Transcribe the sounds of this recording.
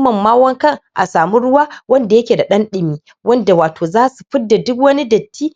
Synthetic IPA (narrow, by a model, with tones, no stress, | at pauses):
mɐ˨mːaː˦wɐ˦ŋkɐ˦˨ŋʔa̰˨saː˨mu˦ɽʊ˦waː˦wɐ˦nda˨jɐ˦kʲeː˨da˨ɗɐ˦nɗɪ˨miː˦ | wɐ˦nda˨waː˨toː˨zaː˦su˨ɸɪ˦dːa˨dʊ˦kwɐ˦ni˦dɐ˨tːiː˦